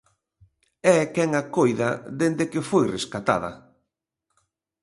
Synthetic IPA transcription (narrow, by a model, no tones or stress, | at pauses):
ɛkɛŋakojðɐðend̪ekefojreskat̪a̰ðɐ̰